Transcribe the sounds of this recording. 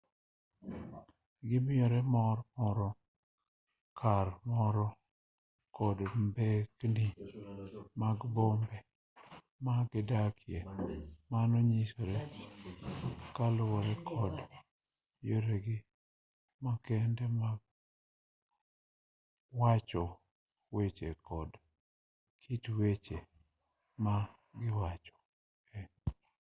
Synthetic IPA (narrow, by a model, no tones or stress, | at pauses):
ɡɪmɪɔɾɛmɔrmɔɾɔ | kʰarmɔɾɔ | kɔdmbekni | maɡbombɛ | maɡɪdakɪjemanoɲisoɾe | kalʊwɔɾɛkʰɔd | joɾɛɡɪ | makɛndɛma | wat͡ʃɔ | wet͡ʃekɔd | kʰitwet͡ʃe | ma | ɡɪwat͡ʃɔ̥ | ɛɲ